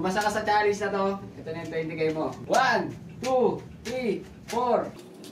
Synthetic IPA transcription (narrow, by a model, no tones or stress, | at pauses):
mɐsɐkasɐt͡ʃaːɾɪsnɐt̪oʔɛt̪onɐjnt̪oɛnt̪ɪɡɐjmowan | t̪u | t̪ɾi | foɾ